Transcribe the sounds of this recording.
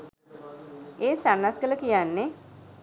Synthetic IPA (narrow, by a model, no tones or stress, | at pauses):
eːsanːasɡələkijanːe